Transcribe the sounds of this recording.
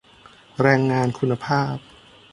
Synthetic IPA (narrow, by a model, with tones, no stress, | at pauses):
ɾɛː˧ŋːaː˧nkʰu˧nːa˧pʰaː˥˩p̚